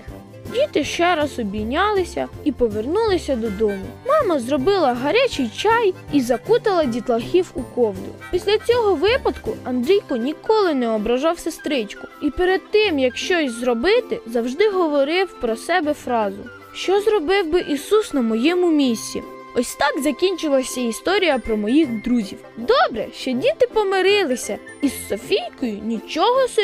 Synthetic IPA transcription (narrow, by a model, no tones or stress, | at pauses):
dʲit̪ɪʃt͡ʃɛɾɑzɔbʲijnʲɑlˠɪsʲɐipɔʋernulˠɪsʲɐd̪ɔd̪ɔmʊ̰mɑmɐzrɔbɪlˠɐɦɐɾʲat͡ʃɪjt͡ʃɑjizɐkut̪ɐlˠɐdʲit̪lˠɐxʲiwukɔwd̪ʊ̰pʲisʲlʲɐt͡sʲɔɦɔʋɪpɐd̪kʊɐnd̪ɾʲijkɔnʲikɔlˠɪnɛɔbɾɐʒɑwsest̪ɾɪt͡ʃkʊ̥ipeɾed̪̚t̪ɪmjɐkʃt͡ʃɔsʲzɾɔbɪt̪ɪzɐwʒd̪ɪɦɔʋɔɾɪwpɾɔsɛbɛfɾɑzʊ̰ | ʃt͡ʃɔzrɔbɪwbɪʔisusnɐmɔjɛmʊmʲisʲt͡sʲḭ | ɔsʲt̪ɑɡzɐkʲinʲt͡ʃɪlˠɐsʲɐist̪ɔɾʲijɐpɾɔmɔjixd̪ɾuzʲiwd̪ɔbɾɛ̰ʃt͡ʃɔdʲit̪ɪpɔmeɾɪlˠɪsʲɐ | issɔfʲijʲkɔjʊnʲit͡ʃɔɦɔs